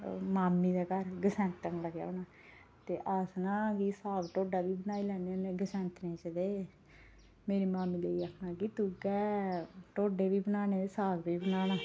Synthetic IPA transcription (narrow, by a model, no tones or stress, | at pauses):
maːmːiːd̪aːkəɾɡəsɛ̃ːnt̪ənləɡja̰ːoːnaː | t̪eːʔəsnãːkiːsaːɡʈoːɖaːbiːbənaːilɛːneːoneːɡəsɛ̃ːnt̪nẽːt͡ʃəd̪eː | meːɾiːmaːmːiːleiːəkʰnãːɡit̪uɡɛːʈoːɖeːʋiːbənaːneːd̪esaːɡbiːbənaːnaː